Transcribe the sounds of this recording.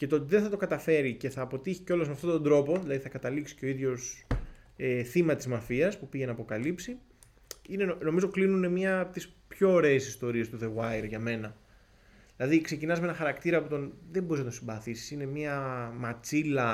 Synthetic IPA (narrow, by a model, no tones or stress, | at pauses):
ce̞t̪ot̪ðeθɐt̪o̞kɐt̪ɐfe̞ɾice̞θɐːpo̞t̪içi̥ceo̞lɐzmeɐft̪ot̪od̪ɾo̞po̞ðilɐðiθɐkɐt̪ɐliksi̥ceo̞iðʝo̞s | eθimɐt̪izmɐfiɐspupiʝenɐːpo̞kɐlipsi | ineno̞mizo̞klinune̞mɲɐt̪is | pço̞ːɾe̞ːsist̪o̞ɾie̞st̪uðe̞ɣwɐjɾʝɐme̞nɐ | ðilɐðikse̞cinɐzmeenɐ̃xɐɾɐkt̪iɾɐpot̪o̞nðembo̞ɾiznɐt̪osimbɐθisi̥sine̞miɐmɐt͡silɐ